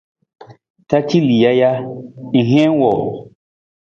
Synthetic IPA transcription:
ta˦t͡ʃi˦li˨ja˦ja˦i˨ɦɛ̃˦n˦wɔ˨

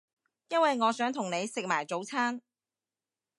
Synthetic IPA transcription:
jɐ˥nwɐ˨jŋɔː˨˧sœː˨˥ŋt̪ʰʊ˨˩ŋne˨˧jsɪ˨k̚maː˨˩jt͡so˨˥wt͡sʰaː˥n

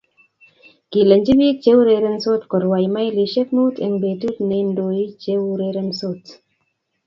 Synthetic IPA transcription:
ki˨lə˨nd͡ʒi˦bi˦k̚t͡ʃe˦wu˦ɾe˨ɾe˦mso˦tkɔ˨ɾwa˨jma˦jli˨ʃe˦k̚mu˦te˨ŋbe˨tu˦tne˨ndo˨ji˦t͡ʃe˦wɾe˧ɾe˦mso˦t

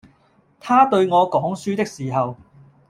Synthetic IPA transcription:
t̪ʰaː˥t̪ɵ˧ɥŋɔː˨˧kɔː˨˥ŋsyː˥t̪ɪ˥k̚siː˨˩ɦɐ˨w

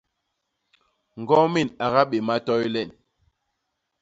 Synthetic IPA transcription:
ŋ̩˨ɡɔ˦mi˦˨na˨ɣa˦ɓe˨ma˦tɔ˦jlɛ˨n

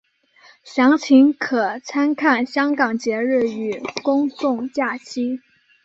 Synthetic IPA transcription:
ɕjɑ˧˥ŋt͡ɕʰi˧˥ŋkʰɤ˨˩t͡sʰa˥nkʰa˥˩nɕjɑ˥ŋkɑ˨˩ŋt͡ɕjɛ˧˥ɻ̩˥˩y˨˥kʊ˥ŋt͡sʊ˥˩˧ŋt͡ɕja˥˩t͡ɕʰi˥

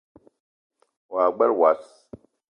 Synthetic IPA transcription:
wa˨ɡ͡ba˦lwa˨s

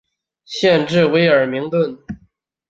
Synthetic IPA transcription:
ɕjɛ˥˧nʈ͡ʂɻ̩˥˩we˧˥ɪə˞˨˩mi˧˥ŋt̪wə˥˩n

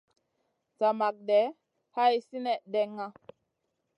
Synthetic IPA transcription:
t͡sa˨ma˨k̚dɛ˨˦ | ha˦jsi˦nɛ˦˨ʔdɛ˦ŋːa˦

